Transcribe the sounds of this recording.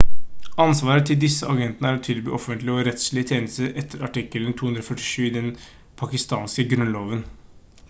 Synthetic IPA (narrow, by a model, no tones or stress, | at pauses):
ɑnsʋɑːɾət̪ʰɪld̪ɪsːəʔɑɡɛnt̪nəæːɾɔt̪ʰɪlby̰ːɔfənt̪lɪəɔɾɛt̪sɭɪət̪ʰjeːnəst̪əɾɛt̪ʰːəɾɑʈɪkːələnt̪ʰuːʉnd̪ɾɔfœʈːɪ̥ʂʉːɪd̪ɛn | pʰɑkɪst̪ɑːnskəɡɾʉnloːʋən